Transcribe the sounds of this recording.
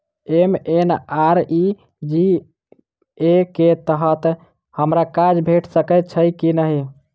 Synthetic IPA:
emenaɾi | d͡ʒi | eket̪əɦət̪ | həmɾakad͡ʒbʱeʈʰsəkət̪̚t͡ʃʰəjkinəɦi

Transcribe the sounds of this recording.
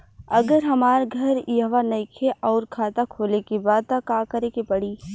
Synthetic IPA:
ɐɡəɾɦɐmaːɾɡʱɐɾjɐɦʋanɐikʰeʔɔːɾkʰaːt̪akʰoːlekibaːd̪̚t̪akaːkɐɾekepɐɽiː

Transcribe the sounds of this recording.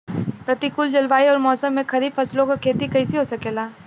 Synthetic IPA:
pɾɐt̪ikʊld͡ʒɐlʋaːiɔːɾmɔːsəmːẽkʰɐɾiːbfʰɐslõkakʰeːt̪ikɐisiɦosɐkeːlaː

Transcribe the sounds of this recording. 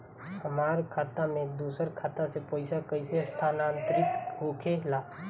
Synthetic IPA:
həmaːɾkʰaːt̪amẽd̪uːsəɾkʰaːt̪asepoːɪsakəɪsest̪ʰaːnãːnt̪əɾɪt̪ɦuːkʰelaː

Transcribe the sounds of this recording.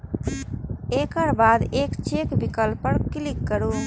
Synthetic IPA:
ekəɾbad̪ekt͡ʃekbikəlpəɽklikːəɾu

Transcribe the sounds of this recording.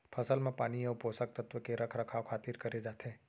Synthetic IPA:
pʰəsəlmẽpaːnijeʊposək̚t̪ət̪ʋəkeɾɐkʰɾəkʰawkʰaːt̪iːɾkɐɾed͡ʒaːt̪ʰe

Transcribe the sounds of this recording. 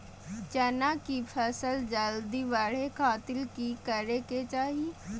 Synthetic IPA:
t͡ʃɐnakipʰəsəld͡ʒəld̪iʋaɽ̤ekaːt̪ɪlkikəɾeket͡ʃaːɦi

